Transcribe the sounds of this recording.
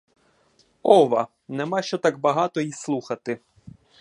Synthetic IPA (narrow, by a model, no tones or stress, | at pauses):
ɔʋɐ | nɛmɑʃt͡ʃɔt̪ɑk̚bɐɦɑt̪ɔjislˠuxɐt̪ɪ